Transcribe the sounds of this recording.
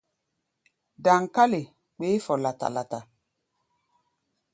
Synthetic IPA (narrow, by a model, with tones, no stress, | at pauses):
da˨ŋ˨ka˦le˨ | k͡pe˨˦fɔ˨la˨ta̰˨la˨ta˨